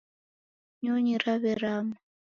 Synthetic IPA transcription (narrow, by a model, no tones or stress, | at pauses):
ɲoɲiɾaβɛɾama